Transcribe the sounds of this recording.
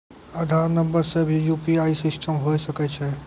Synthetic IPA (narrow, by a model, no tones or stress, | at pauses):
əd̪ʱaːɾnə̃mbəɾsebʱijuːpiaːisɪsʈəmɦoːjsɐkɛt͡ʃʰɛ